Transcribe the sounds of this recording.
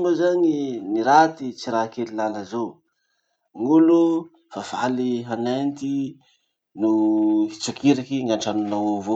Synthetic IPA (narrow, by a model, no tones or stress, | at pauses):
mbazaŋiniɾat̪it͡siɾakelilanəzo | ŋulu | fafaliɦanent̪i | nuit͡sukʰiɾakiŋaɳʈ͡ʂanunawovo